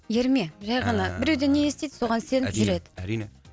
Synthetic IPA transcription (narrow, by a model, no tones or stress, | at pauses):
jeɾme̞ʒɑjʁɑnɑbɪɾewd̪enejest̪ejd̪so̞ʁɑnse̞nt̪ʰʏʒɪɾe̞d̪ɪ̥